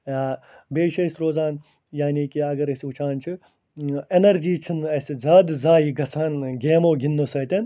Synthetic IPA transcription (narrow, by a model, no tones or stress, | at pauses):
aːbeːʃɐsʲɾoːzaːn | jaːniːkiɐɡɐɾɐsiut͡ʃʰaːnt͡ʃʰi | enɐɾd͡ʒiːt͡ʃʰinɐsizaːd̪zaːjiɡɐsʰaːnɡeːmoːɡinːosɐːt̪ʲɐn